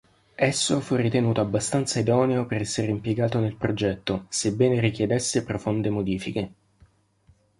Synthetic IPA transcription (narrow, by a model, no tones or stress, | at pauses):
ɛsːofurːit̪enuːt̪oabːast̪ant̪said̪ɔːneoperɛsːeɾeimpjeɡaːt̪onelpɾod͡ʒɛt̪ːosebːɛːneɾik̟jed̪esːepɾofond̪emod̪iːfike